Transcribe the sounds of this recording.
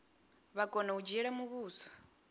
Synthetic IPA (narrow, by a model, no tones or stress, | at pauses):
βakʼɔnaud͡ʒɛɺamuβuːsḁ